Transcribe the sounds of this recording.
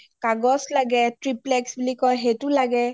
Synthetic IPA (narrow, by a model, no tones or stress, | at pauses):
kaɡɔslaɡɛtɹiplɛksbulikɔjɦetulaɡɛ